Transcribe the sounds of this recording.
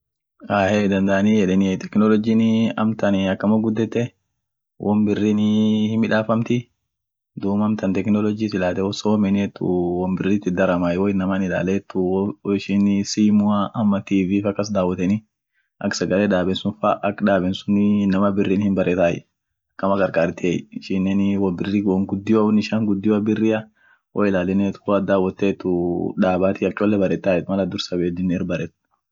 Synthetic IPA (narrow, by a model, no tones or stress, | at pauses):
aːheːd̪ɐnd̪ɐʔɐniːjɛᶑɛnɪt̪ɛ̥knɔlɔd͡ʒiːnɪɐ̰mt̪ɐnɪɐkːɐmɐɡʊd̪ːɛt̪ːɛ | wʔɔmbɪrːiːnɪhɪmɪᶑaːfɐmt̪ɪ | d̪uːmɐmt̪ɐnt̪ɛknɔlɔd͡ʒiːsɪlaːt̪ɛwɔsɔwɔmɛnɛt̪ːʊ̰wɔmbɪrːiːt̪ːɪd̪ɐɾɐmaːjwɔɪnːɐmanɪla̰ːleːt̪ːʊɪʃɪnɪsiːmʊaʔɐmːɐt̪iːviːfɐkːɐs̬d̪aːwːɐt̪ɛnɪ | ʔɐ̰ksɐɡɐlɛᶑ̪aːbɛnsʊnfɐʔɐkᶑaːbɛnsʊnnɐmɐbɪrːiːnhɪmbɐɾʔɛt̪aːjɛ̰ | kːɐmɐkʼɐɾkʼaːɾt̪ɪeːjɪʃɪnːɛnwɐbɪrːiɡwɔŋɡʊd̪ːɪɐwɔnɪʃaːŋɡʊd̪ːɪwɐbɪrːɪɐ | wɔɪlaːlɛneːt̪ʊ̥kʊɐd̪aːwɐt̪ːeːt̪ːʊᶑaːbaːt̪ɪɐkʲʼɔlːɛbɐɾɛt̪ːaːjɛt̪mɐlɐd̪ʊɾsɐbeːd̪ɪnːɛːrbɐɾɛt̪̚ː